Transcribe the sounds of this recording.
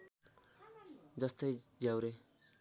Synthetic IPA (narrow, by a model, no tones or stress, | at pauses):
d͡zʌst̪ʌjd͡zjawɾe